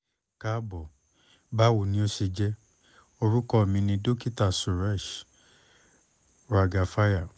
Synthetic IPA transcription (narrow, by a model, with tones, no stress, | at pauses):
ka˦bɔ˨ | ba˦wu˨nĩ˦o˦si˧d͡ʒɛ˦ | o˧ɾu˦kɔ˦˨mĩ˧nĩ˧do˦ki˦ta˨su˨ɾa˦˨ʃ | ɾa˨ɡa˨fa˦ja˨